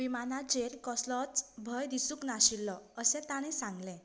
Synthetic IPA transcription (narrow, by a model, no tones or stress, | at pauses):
ʋimanad͡ʑeɾkɔslɔt͡sbʱəjd̪isuknaɕilːɔəsɛ̃t̪aɽ̃isãŋɡlɛ̃